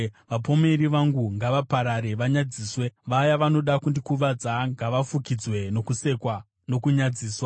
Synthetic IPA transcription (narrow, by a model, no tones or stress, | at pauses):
ʋapo̞me̞ɾiʋaŋɡuŋɡaʋapaɾaɾe̞ʋaɲad͡ziːsweʋajaʋano̞ɗakundikuʋad͡zaŋɡaʋafukid͡zwe̞no̞kuse̞kwa | no̞kuɲad͡ziːswa